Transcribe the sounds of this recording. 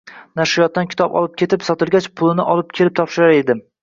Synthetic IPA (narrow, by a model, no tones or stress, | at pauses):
naʃɪjɒt̪ːankʲʰɪ̥t̪ʰɒpɒ̰lˠɪp̚kʲe̞t̪ʰɪpsɒt̪ɪlˠɡʲat͡ʃpʰʊlˠɪnɪʔɒlɪp̚kʲʰe̞lɪp̚t̪ʰɒpʃɪɾaɾe̞d̪ɪ